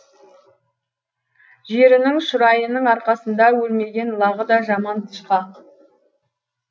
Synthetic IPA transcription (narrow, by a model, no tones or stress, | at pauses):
ʒe̞ɾɪnɪŋʃʊɾɑjənəɴɑɾqɑsənd̪ɑwɵlme̞ɡʲe̞nlˠɑʁəd̪ɑʒɑmɑnt̪ʰə̥ʃqɑ